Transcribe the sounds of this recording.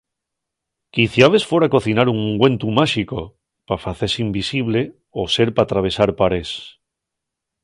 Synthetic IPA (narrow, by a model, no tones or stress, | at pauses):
kiθjaβe̞sfweɾako̞θinaɾuŋɡwe̞nt̪umaʃiko | pafaθesimbisiβ̞le̞ | ose̞ɾpat̪ɾaβ̞e̞saɾpaɾe̞s